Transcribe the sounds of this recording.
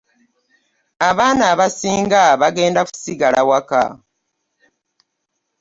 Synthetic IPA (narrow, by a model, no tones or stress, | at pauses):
aβaːnaːβasiːŋɡaβaɡe̞ːndaku̥siɡalʔawaka̰